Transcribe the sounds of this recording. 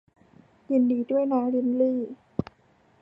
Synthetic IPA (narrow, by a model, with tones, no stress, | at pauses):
ji˧ndiː˧˩du˥˩əjnaː˨˦ŋli˧˦nliː˥˩